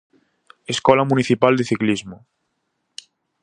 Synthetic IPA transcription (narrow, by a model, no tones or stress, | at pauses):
eskolamũniθipald̪eθiklizmo